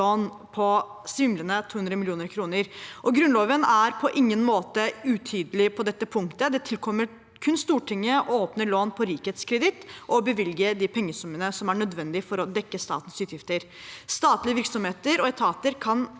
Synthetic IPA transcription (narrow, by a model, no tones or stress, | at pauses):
oːn | pʰɔ | sʋɪmlənət̪ʰuːhʉnd̪ɾəmɪlɪuːnəɾkʰɾuːnəɾʔɔɡɾʉnloːʋənæɾpʰɔʔɪŋːənmoːt̪əʉt̪ʰyːd̪əlɪpʰɔd̪ɛt̪ːəpʰʊŋkt̪əd̪ɛt̪ʰɪlkʰɔmːəɾ | kʰʉnst̪uːʈʰɪŋːəʔɔoːpnəɭoːnpʰɔɾiːkheːt̪skʰɾəd̪ɪt̪ːʔɔbəʋɪlɡəɖ̪ipʰɛŋːəsʊmːənəsɔmæɳœd̪ʋɛnd̪ɪfɔɾɔd̪ɛkːəst̪ɑ̰ːt̪ənsʉːt̪jɪft̪əɾ | st̪ɑːt̪lɪəʋɪɾksɔmheːt̪əɾɔɛt̪ʰɑːt̪əɾkʰɑn